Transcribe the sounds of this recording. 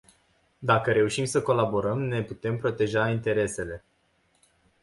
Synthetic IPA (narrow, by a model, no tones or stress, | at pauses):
d̪akəɾe̞uʃimsəko̞labo̞ɾəmne̞put̪e̞mpɾo̞t̪e̞ʒaint̪e̞ɾe̞se̞le̞